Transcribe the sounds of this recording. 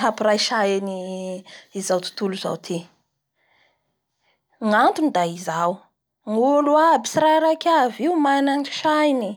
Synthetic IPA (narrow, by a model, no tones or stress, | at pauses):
ɦapirajʃajini | izawt̪u̥t̪uluza̰wt̪ʰi | ŋant̪unid̪aizaw | ŋuluabi̥siɾaɾakʲaviumajnanʈ͡ʂi̥ʃajni